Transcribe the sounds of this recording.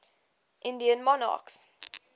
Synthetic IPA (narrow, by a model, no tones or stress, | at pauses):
ʔɪ̃ndiə̃nmɔnɑ̰ks